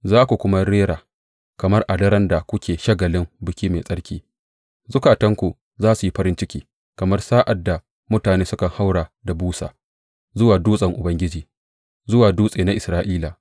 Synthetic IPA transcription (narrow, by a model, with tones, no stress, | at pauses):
zaː˦kʷu˨kʷʊ˦ma˦ɾeː˦ɾaː˨ | kɐ˨mɐ˦rʔa˨dɐ˦ɾɐ˦nda˨kʷʊ˦kʲeː˨ʃɐ˦ɡɐ˨lɪ˦mbʊ˨kʲiː˦meː˨sʼɐ˦ɽkʲiː˦ | zʊ˦kaː˨tɐ˦ŋkʷu˨ | zaː˦su˨ji˦ɸɐ˦ɾɪ˦nt͡ʃɪ˦kʲiː˦ | kɐ˨mɐ˦rsaː˦ʔa˨dːa˨ | mʊ˦taː˨neː˦sʊ˦kɐ˨ŋha˦wɽaː˨da˨buː˦sa̰ː˨ | zʊ˦waː˨duː˦sʼɐ˨ŋʔʊ˨bɐ˦ŋɡʲɪ˦d͡ʒiː˨ | zʊ˦waː˨duː˦sʼeː˨na˦ʔɪ˨sɾaː˦ʔiː˦laː˨